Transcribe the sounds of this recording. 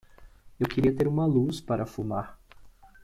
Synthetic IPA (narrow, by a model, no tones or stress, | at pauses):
ewkeɾiɐt̪eɾũmɐluspaɾɐfumaɾ